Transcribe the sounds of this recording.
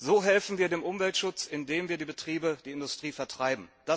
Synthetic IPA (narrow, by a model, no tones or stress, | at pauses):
zoːɦɛlfn̩viːɐdeːmʔʊmvɛltʃʊt͡sɪndeːmviːɐdiːbətʁ̥iːbəd̥iːɪndʊstʁ̥iːfɛɐtʁ̥aɪbm̩d̥a